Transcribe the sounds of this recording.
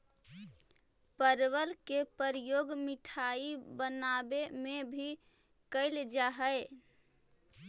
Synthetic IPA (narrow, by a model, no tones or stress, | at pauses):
pəɾwəlkepəɾjoɡmiʈʰaibənabemebʱi | kəɪld͡ʒaɦəɪ